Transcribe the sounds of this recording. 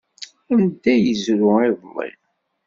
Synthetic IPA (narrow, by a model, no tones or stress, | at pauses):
ænd̪æjəzɾʊiðˤlˤḭ